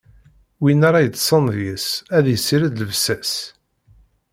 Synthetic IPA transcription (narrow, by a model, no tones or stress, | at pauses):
winaɾˤɑjət͡s̪ːsˤənðjəsæðjəsːiɾæd̪ləvsæs